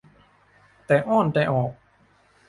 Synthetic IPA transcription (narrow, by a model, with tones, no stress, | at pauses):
t̪ɛː˨˩ʔɔː˥˩˨nt̪ɛː˨˩ʔɔː˨˩k̚